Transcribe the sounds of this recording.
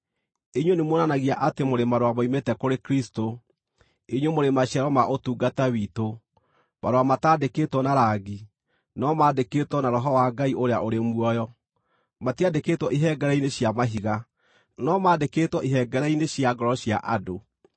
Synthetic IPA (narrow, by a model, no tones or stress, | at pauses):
eɲwenemonanaɣiaʔatemoɾemaɾoamaimetɛkoɾekɾisto | eɲwemoɾemaɕjaɾɔmaʔotuːɡatawiːto | maɾoamataːdeketwɔnaɾaɡi | nɔmaːdeketwɔnaɾɔɦɔwaɡaiʔoɾeaʔoɾemwɔjɔ | matiadeketwɔʔiɦɛɡɛɾɛineɕjamaɦiɣa | nɔmaːdeketwɔʔiɦɛɡɛɾɛineɕiaɡɔɾɔɕjaʔado